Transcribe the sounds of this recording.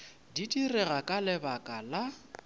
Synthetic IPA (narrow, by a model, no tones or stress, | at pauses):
didirɛɣakʼalɪbakʼala